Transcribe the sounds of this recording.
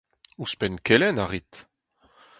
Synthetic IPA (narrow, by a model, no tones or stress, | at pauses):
uspɛnkɛlɛnaʁit̪